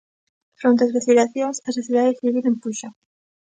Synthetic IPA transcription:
fɾont̪eazreθiɾaθjoŋsɐsreθiðaðeθiβilempuʃa

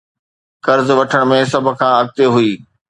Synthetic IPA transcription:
kɐɾzʋɐʈʰəɽ̃mẽs̬ɐbʱʊ̆kʰãːɐɡ̚t̪eɦuiː

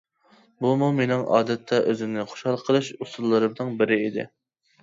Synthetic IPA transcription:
bumumenɪŋʔɑ̰ːd̪ɛt̪ʰːɛʔøzɪmnɪχo̥ʃhɑlˠqʰəlˠɨʃusulˠːɨɾɨmd̪ɨŋbɪɾɪid̪ɪ̰

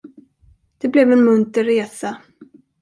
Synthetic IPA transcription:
d̪̥ɛblɛvɛnmɵnt̪əɾeːsa

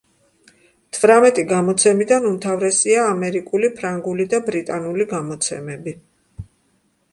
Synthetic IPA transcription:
t̪ʰvɾamɛt̪ʼiɡamɔt̪sʰɛmid̪anumt̪ʰavɾɛsiaːmɛɾikʼulipʰɾaŋɡulid̪abɾit̪ʼanuliɡamɔt̪sʰɛ̰mɛbi

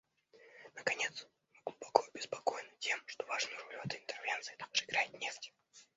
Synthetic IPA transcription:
nəkɐnʲet̪s | mɨɡlˠʊbɐkojʊbʲɪspɐko̞jnɨtʲʰe̞mʂt̪o̞vaʐnʊjʊɾolʲʊvɛt̪əɪnt̪ɛrvʲent̪sɨɪt̪aɡʐɨɪɡɾajɪt̪nʲeftʲɪ

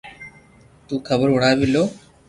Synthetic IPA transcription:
t̪uːkʰəbəɾɦʊɽaːʋɪloː

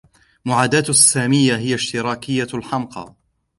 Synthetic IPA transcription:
mʊʕaːd̪aːt̪asːaːmɪjːaɦɪjaʃt̪ɪɾɑːkɪjːalħɑmqɑ̰ː

